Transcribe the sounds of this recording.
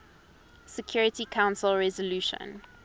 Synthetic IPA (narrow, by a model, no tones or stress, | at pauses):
sɛkʰj̥ɔːɹɪtikʰãʊ̃nsəlɹɛzəluːʃə̰̃n